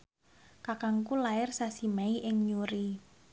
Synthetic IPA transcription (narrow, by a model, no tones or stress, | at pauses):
kakaŋkulaɪrsasimaiʔɪŋɲuɾi